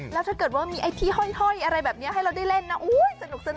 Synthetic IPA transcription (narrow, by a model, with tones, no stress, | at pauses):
lɛ˦˥t̪ʰaː˥˩kɤː˨˩t̪̚waː˥˩miː˧ʔa˧jt̪ʰiː˥˩hɔ˥˩jhɔ˥˩jʔa˧ɾa˧jbɛː˨˩p̚ni˦˥ɐɦa˥˩jɾa˧wda˥˩jle˥˩nːa˦˥ʔoː˧˦˥jsa˧nu˨˩k̚sa˧na˨˩